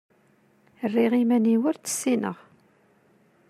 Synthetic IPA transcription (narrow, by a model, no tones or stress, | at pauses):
rːiʁimæniwəɾt͡sːə̥sːinə̰ʁ